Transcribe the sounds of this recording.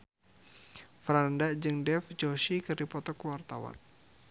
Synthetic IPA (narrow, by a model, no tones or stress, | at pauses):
fɾandad͡ʒɨŋdɛfd͡ʒɔʃikɨrdipɔt̪ɔkəwart̪awa̰n